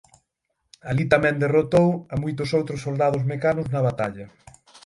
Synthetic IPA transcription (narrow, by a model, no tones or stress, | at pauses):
alit̪amɛ̃nd̪erot̪owɐmujt̪ʊsowt̪ɾʊsːold̪að̞ʊzmekanʊznɐβat̪aʎɐ